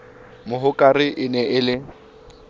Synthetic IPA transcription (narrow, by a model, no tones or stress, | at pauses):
mʊɦʊkʼarɪʔɪnɛʔɪlɪ